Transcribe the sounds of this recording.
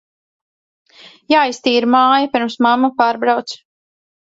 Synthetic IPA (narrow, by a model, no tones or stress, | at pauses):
jaːjst̪iːɾmaːjapʲiɾmsmamːapaːɾbɾawt̪s